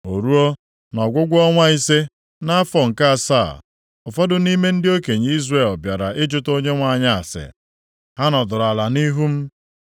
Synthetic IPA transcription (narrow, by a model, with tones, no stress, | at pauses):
o˨ɾu˦o˦ | nɔ˨ɡʷʊ˦ɡʷɔ˦ŋʷa˦i˦se˦ | na˦fɔ˨ŋ̩˨ka˦a˨sa̰ː˦˨ | ʊ˨fɔ˦dʊ˨ni˦me˦n̩˦dɪ˦o˦ke˨ɲ˨˦i˦zre˦˨lbja˨ɾa˨ʔɪ˦d͡ʒʊ˦to˦ɲe˦ŋʷa˨ɲa˦a˨sɪ̰˨ | ha˦nɔ˨dʊ˨ɾa˨la˨ni˦ɦu˦m̩˦